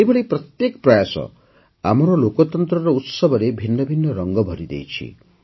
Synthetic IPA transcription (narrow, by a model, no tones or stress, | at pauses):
ebʱɔɽepɾɔt̪jekɔpɾɔjasɔ̰ | a̰m̤ɔɾɔlokɔt̪ɔnt̪ɾɔɾɔut̪sɔbɔɾebʱinːɔbʱinːɔɾɔŋɡɔbʱɔɾid̪ḛjt͡ʃʰḭ